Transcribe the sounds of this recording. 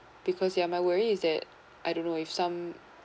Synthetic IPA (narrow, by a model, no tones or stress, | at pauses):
b̥ɨkʰɔzjæmaɪwɜɹiɪzðɨt | ʔaɪɾõʊ̃nːoʊɪfsʌ̃m